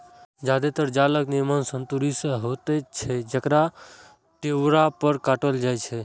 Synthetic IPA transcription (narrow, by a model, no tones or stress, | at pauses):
d͡ʒad̪et̪əɾd͡ʒaləknimənsənt̪uɾisə̃ɦot̪ɛt͡ʃʰɛd͡ʒəkɾa | ʈ̪eɾapəɾkaʈəld͡ʒajt͡ʃʰɛ